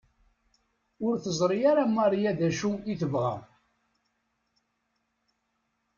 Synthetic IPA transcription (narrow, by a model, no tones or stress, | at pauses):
ʊɾθəzˤɾˤijaɾamːɑɾˤjæðæʃuiθəvʁæ̰